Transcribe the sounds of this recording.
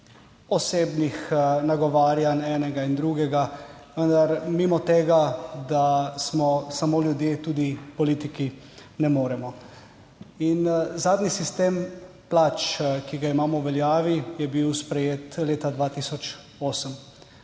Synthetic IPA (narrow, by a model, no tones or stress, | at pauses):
ɔseːbnixnaɡɔʋaːɾjanɛːnɛɡaind̪ɾuɡɛɡa | ʋənd̪aɾmimɔt̪eːɡad̪asmɔsamoːljud̪jeːt̪uːd̪ipɔliːt̪iki | nɛmoːɾɛmɔ | inzaːd̪nisist̪em | plat͡ʃkiɡaimaːmɔwʋɛljaːʋijɛbiwspɾɛjeːt̪leːt̪ad̪ʋaːt̪isɔt͡ʃ | oːsəm